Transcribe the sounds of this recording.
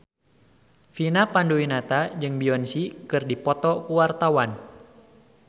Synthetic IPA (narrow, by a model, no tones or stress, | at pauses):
finapanduinat̪ad͡ʒɨŋbiɔnsikɨrdipɔt̪ɔkuwart̪awan